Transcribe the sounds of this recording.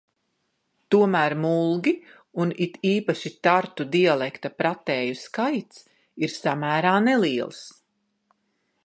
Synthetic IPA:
t̪uɔmæːɾmulˠɡʲi | unit̪iːpaʃit̪aɾt̪ud̪ialˠɛkt̪apɾat̪ɛːjuskajt̪s | iɾsamæːɾaːneliɛlˠs

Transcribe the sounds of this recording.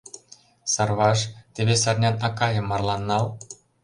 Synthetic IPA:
sɑrβɑʃt̪ʲeβesɑrnʲɑnɑkɑjɤ̆mːɑrlˠɑnːɑlˠ

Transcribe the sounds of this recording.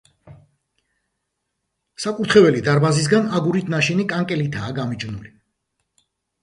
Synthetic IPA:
sakʼuɾt̪ʰχɛvɛlid̪aɾbazis̬ɡanaɡuɾit̪ʰnaʃinikʼaŋkʼɛlit̪ʰaːɡamit͡ʃʼvnṵli

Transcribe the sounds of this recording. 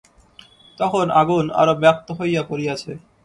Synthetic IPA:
t̪ɔkʰonaɡuna̰ɾobɛp̚t̪oɦojːapoɾiat͡ɕʰe

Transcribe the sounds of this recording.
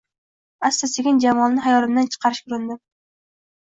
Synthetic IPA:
ast̪aseɡʲɪnd͡ʒamɒlnɪɦajɒlɪmd̪ant͡ʃʰɨ̥qʰɑɾɪʃkʰʊɾɪnd̪ɪ

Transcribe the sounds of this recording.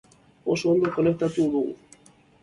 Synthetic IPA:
o̞so̞ːnd̪oko̞ne̞k̚t̪at̪uðuɣṵ

